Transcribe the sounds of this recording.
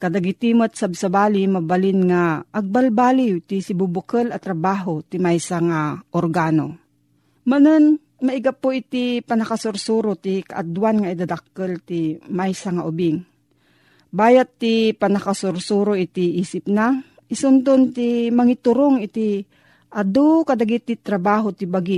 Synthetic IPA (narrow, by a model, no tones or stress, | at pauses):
kɐd̪aɡit̪imot̪̚sabsabaːlimɐbalɪnŋaʔːɡ̚balbaːliwt̪isibubʊkəlɐt̪ɾɐbaːɦot̪imajsaŋaʔoɾɡaːno̰ | mɐnən | mɐɪɡapoʔit̪ipɐnɐkasʊɾsuɾot̪ika̰ʔad̪wanŋaid̪ad̪ak̚ːəlt̪imajsaŋaʔʊbɪŋ | baːjat̪ːipanɐkasʊɾsuɾoʔɪt̪iʔiːsɪp̚na | ʔɪsʊnt̪ont̪imɐŋɪt̪ʊɾoŋɪt̪i | ʔad̪okɐd̪aɡit̪ːɪt̪ɾɐbaːɦot̪ɪbaɡi